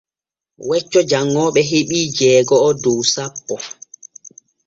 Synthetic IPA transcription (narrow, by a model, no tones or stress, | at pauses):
wɛt͡ʃːɔd͡ʒaŋːɔɓɛɦeɓiːd͡ʒɛːɡɔːdowsapːɔ